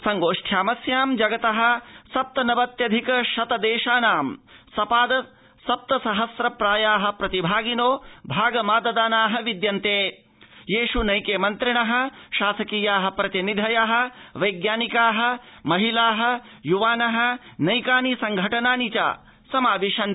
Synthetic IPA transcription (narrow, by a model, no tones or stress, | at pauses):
sɐŋɡoːʂʈʰjaːmɐsjaːmd͡ʒɐɡɐt̪ɐɦɐ̆sɐp̚t̪ɐnɐbɐt̪jɐd̪ʱikɐʃɐt̪ɐd̪eːʃaːnaːmsɐpaːd̪ɐ | sɐp̚t̪ɐsɐɦɐsɾɐpɾaːjaːɦɐ̆pɾɐt̪ibʱaːɡinoːbʱaːɡɐmaːd̪ɐd̪aːnaːɦɐʋid̪jɐnt̪eː | jeːʃunɐjkeːmɐnt̪ɾiɳɐɦɐ̆ʃaːsɐkiːjaːɦɐ̆pɾɐt̪inid̪ʱɐjaɦɐ̆ʋɐjɡjaːnikaːɦɐ̆mɐɦilaːɦɐ̆ | juʋaːnɐɦɐ̆nɐjkaːnisɐŋɡʱɐʈɐnaːnit͡ʃa̰ː | sɐmaːʋiʃɐn